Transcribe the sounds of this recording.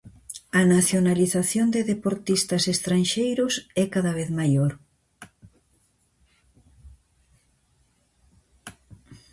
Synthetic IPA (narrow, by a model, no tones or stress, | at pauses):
ɐnaθjonaliθaθjond̪eðepoɾt̪ist̪ɐsest̪ɾanʃejɾʊsɛkaðaβ̞eθmajoɾ